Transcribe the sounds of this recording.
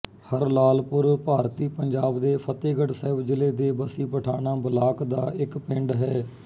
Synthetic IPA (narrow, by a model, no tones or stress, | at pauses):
həɾlaːlpʊɾpaːɾt̪iːpəɲd͡ʒaːbd̪eːpʰət̪eːɡəɽsɛːbd͡ʒɪleːd̪eːbəsiːpəʈʰaːnaːbəlaːkd̪aːɪkpɪ̃ɳɖɦɛː